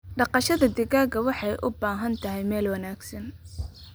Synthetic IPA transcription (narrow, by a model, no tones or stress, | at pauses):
ɖɑqɑʃɐðɐd̪ɪɣaːɣɐwɑħɑjʔʊbaːɦɐnt̪ʰɐɦɛjmɛːlwɑnaːɡsɐn